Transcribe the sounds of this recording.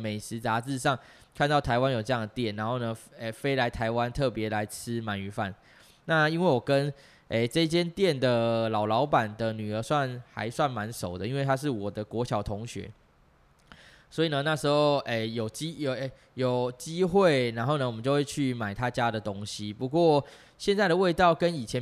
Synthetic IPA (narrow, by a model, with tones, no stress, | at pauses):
me˨˩ɪʂɻ̩˧˥t͡sa˧˥ʂɻ̩˥˩˧ʂɑ˥˩ŋ | kʰa˥˧nt̪ɑ˥˩ʊt̪ʰa˧˥ɪwa˦njo˨˩ʊʈ͡ʂɤ˧jɑ˥˩ŋd̪ə˩t̪jɛ˥˩nːa˧˥nxo˥˩ʊnə˩e˨˩fe˥ɪla˧˥ɪt̪ʰa˧˥ɪwa˦nt̪ʰɤ˥˩pjɛ˧˥la˧˥ɪt͡s̩ʰ˥ma˨˩˦ny˧˥fa˥˩n | na˥˩i˥nwe˥˩ɪwɔ˨˩kə˦n | e˥˧˩ʈ͡ʂə˥˧i˥t͡ɕjɛ˥nt̪jɛ˥˨nd̪ə˩lɑ˨˩ʊlɑ˧˦˥ʊpa˨˩nd̪ə˨ny˨˩ə˧˥swa˥˩nxa̰˧˥ɪswa˥˩nma˧˥nʂo˨˩ʊd̪ə˦i˥nwe˥˩ɪt̪ʰa˥ʂ̬ɻ̩˥˩wɔ˨˩d̪ə˦kwɔ˧˥ɕjɑ˨˩ʊt̪ʰʊ˧˦˥ŋɕɥɛ̰˧˥˦ | swɔ˧˥i˨nə˩na˥˩ʂɻ̩˧˥xo˥˧ʊʔe˩jo˨˩ʊt͡ɕi˦˥˨ | jo˨˩ʊt͡ɕi˥xwe˥˩ɪna˧˥nxo˥˩nə˨wmə˦t͡ɕjo˥˧ʊwe˥˧ɪt͡ɕʰy˥˩ma˨˩ɪt̪ʰa˦t͡ɕja˦d̪ə˨t̪o˦ŋɕi˦pu˧˦kwɔ˥˨˩ | ɕjɛ˥˧nt͡sa˥˩ɪɾə˨we˥˧ɪt̪ɑ˥˩ʊkə˦ni˨˩t͡ɕʰjɛ˧˦n